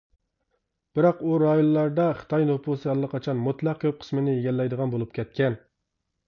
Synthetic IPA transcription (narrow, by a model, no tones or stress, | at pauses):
b̥ɪɾɑquɾɑjonlːˠɑɾd̪ɑχə̥t̪ɑjnopʰusɨhɛlˠːəqʰɑt͡ʃʰɑnmut̪lˠɑq̚kʲʰøp̚qʰə̥smɪnɪeɡʲɛlːɛjd̪əʁɑnbolˠup̚kʲɛt̪̚kʲʰɛn